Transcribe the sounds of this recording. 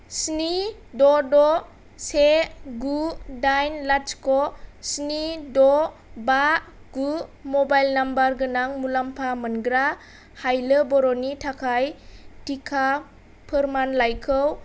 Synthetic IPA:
sni | dɔdɔ | seɡudajnlat͡ʃkɔsnidɔ | baʔɡumɔbajlnambaɾɡɯnaŋmulampʰamənɡɾa | hajləbɔɾɔnitʰakʰajtikʰa | pʰɯɾmanlajkʰəw

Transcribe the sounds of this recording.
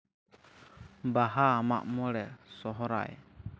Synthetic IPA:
baɦaːma̰ʔmɔɾɛsɔɦɔɾa̰j

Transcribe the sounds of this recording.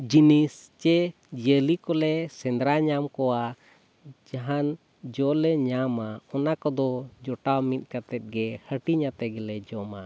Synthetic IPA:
d͡ʒinist͡ʃɛ | d͡ʒəlikɔlɛsɛ̃nd̪ɾaɲamkɔwa | d͡ʒaɦan | d͡ʒɔlɛɲamaɔnakɔd̪ɔd͡ʒɔʈamit̪̚ˀkat̪ɛt̪̚ɡɛhəʈiɲat̪ɛɡɛlɛd͡ʒɔma

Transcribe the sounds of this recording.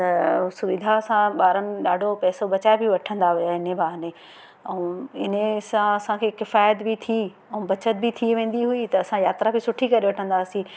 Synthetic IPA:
t̪ɐsʊʋɪd̪ʱaɐsãɓaːɾənɪ̆ɗaːɖʱopɛːsobɐt͡ɕaːebɪʋɐʈʰə̃nd̪aɦʊjaɦɪnebʱaːɦnẽ | ɛ̃ɪnesãɐsãkʰeːkɪfaːjət̪bɪt̪ʰi | ɛ̃bɐt͡ɕət̪̚bɪt̪ʰiʋẽːn̆d̪iɦuit̪ɐːsãjaːt̪ɾabɪsʊʈʰikɐɾiʋɐʈʰə̃nd̪aːsĩː

